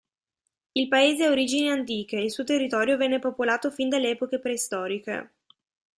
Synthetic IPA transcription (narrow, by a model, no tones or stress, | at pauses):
ilpaeːzeaoɾid͡ʒineant̪̬iːk̟eilsuːot̪erːit̪ɔːɾjovɛnːepopolaːt̪ofind̪alːɛːpokepɾeist̪ɔːɾikḛ